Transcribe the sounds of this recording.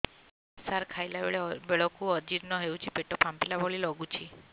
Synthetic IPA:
saɾkʰajlabeɭebeɭɔkuɔd͡ʒiɾnɔɦewt͡ʃʰipeʈɔpʰampilabɔɭilɔɡut͡ʃʰi

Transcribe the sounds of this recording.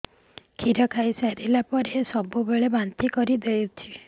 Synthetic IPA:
kʰiɾɔkʰajsaɾilapɔɾesɔbubeɭebant̪ikɔɾid̪eut͡ʃʰi

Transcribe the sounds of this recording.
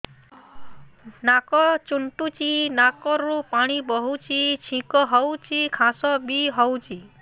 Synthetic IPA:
nakɔt͡ʃuɳʈut͡ʃinakɔɾupaɽ̃ibɔɦut͡ʃit͡ʃʰĩkɔɦɔwt͡ʃikʰãsɔbiɦɔwt͡ʃi

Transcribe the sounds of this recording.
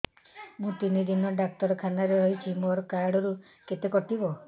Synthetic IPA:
mũt̪inid̪inɔɖak̚t̪ɔɾɔkʰanaɾeɾɔjt͡ʃʰimoɾɔkaɾɽɔɾu | ket̪ekɔʈibɔ

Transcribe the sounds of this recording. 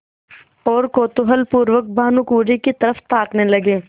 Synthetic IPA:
ɔːɾkoːt̪ʊɦəlpuːɾʋək̚bʱaːnũkuːɖikit̪ɐɾəft̪aːknelɐɡeː

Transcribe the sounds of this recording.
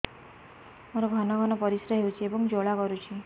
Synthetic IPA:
mɔɾɔbʱanɔɡʱɔnɔpɔɾisɾɔɦewt͡ʃʰiebɔŋd͡ʒoɭakɔɾut͡ʃʰi

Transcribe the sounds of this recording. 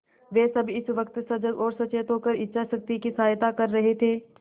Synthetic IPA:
ʋeːsɐbɪsʋɐkt̪sɐd͡ʒəɡɔːɾsɐt͡ʃeːt̪ʰoːkəɾɪtːʃʰaʃɐk̚t̪ikisaːjt̪akɐɾːɐɦet̪ʰeː

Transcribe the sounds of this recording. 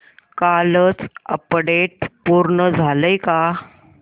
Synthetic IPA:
kalət͡sə̰pɽeʈ̚puɾɳəd͡zʱaləjka

